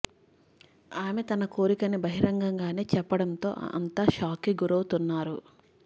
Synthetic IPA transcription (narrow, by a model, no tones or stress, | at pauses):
aːmet̪ɐnɐkoːɾikɐnibɐɦiɾɐŋɡɐŋɡaːne̞ːt͡ʃɛpːɐɽɐnt̪o̞̰ːʔɐ̰nt̪aːʃaːkiɡuɾɐwut̪unːaːɾu